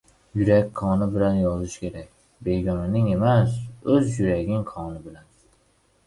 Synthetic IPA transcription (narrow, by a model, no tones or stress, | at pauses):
jʊɾakʲkʰɒnɪbɪlanjɒzɪʃkʲʰe̞ɾakʲ | be̞jɡʲɒnɪnɪŋe̞masɵzjʊɾaɡʲɪŋkʰɒnɪbɪlan